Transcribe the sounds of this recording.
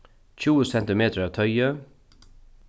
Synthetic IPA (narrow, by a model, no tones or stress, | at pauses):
çuːəsɛnt̪ɪmeːt̪ʰəɾɑːʋt̪ʰœʏə